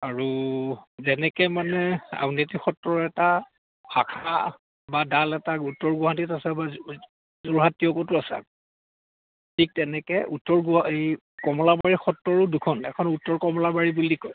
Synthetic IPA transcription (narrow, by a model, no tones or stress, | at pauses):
aɹu | zɛnɛkɛmanɛa̰wnetixɔtːɔɹɛta | xʰa̰kʰa | badalɛtautːɔɹɡuɦantitasɛba | zuɹɦatːiɔkɔtʊasɛ̰ | tʰik̚tɛnɛkɛʔutːɔɹɡuej | kɔmɔlabaɹixɔtːɔɹʊdukʰɔnɛ̰kʰɔnutːɔɹkɔmɔlabaɹibulikɔj